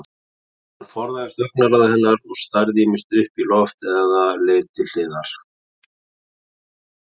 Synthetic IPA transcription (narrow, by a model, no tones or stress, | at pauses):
nfɔɾðajɪst̪œhknalaðahɛnːaɾɔɣst̪ajɾðimɪst̪ʏhpilɔft̪ɛɣaleːt̪ɪl̥ɪːðaɾ̥